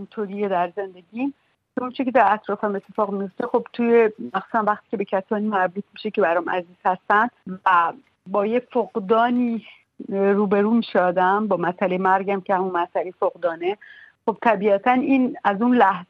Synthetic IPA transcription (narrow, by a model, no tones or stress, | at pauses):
int̪ʰoɾiːjed̪æɾze̞nd̪e̞ɟiːm | keont͡ʃʰekʲʰe̞d̪æɾæt̪ɾɒːfæme̞t̪ʰːe̞fɒːɣmijo̞ft̪e̞xo̞bt̪ʰuːjemæxsuːsænvæxt̪iːcʰʲe̞be̞cʰæsɒːniːmæɾbuːt̪̚ʰmiʃece̞bæɾɒmʔæ̰ziːz̥hæst̪ænd̪̥væ | bɒːjefoɣd̪ɒːniː | ɾuːbe̞ɾuːmiːʃeɒːd̪æmbɒːmæsælejemæɾɡæmcʰehæmunmæsælefoɣd̪ɒːne̞xo̞b̥̚t̪ʰæbiæt̪ʰæniːnæzunlæhz